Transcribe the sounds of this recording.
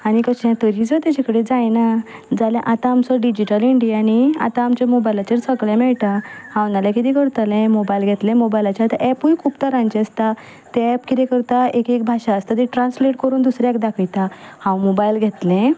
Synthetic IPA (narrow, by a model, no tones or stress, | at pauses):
aɽ̃ikəɕɛ̃t̪əɾid͡zət̪jat͡ɕikəɽed͡zajnad͡zalɛ̃ʔat̪ãːmsəɾɖid͡ʑiʈəliɳɖijania̰t̪aːmt͡ɕamobajlat͡ɕeɾsəɡɭɛ̃mɛɭt̪ahãwnalakit̪ẽkəɾt̪əlɛ̃mobajlɡʱet̪lẽmobajlat͡ɕat̪aʔɛpujkʰupt̪əɾãɲt͡ɕeəst̪a | t̪ɛɛpkit̪ɛ̃kəɾt̪aekek̚bʱaɕaəst̪at̪eʈɾãnsleʈkəɾuːnd̪usɾakd̪akʰəjt̪ahãwmobajlɡʱet̪lɛ̃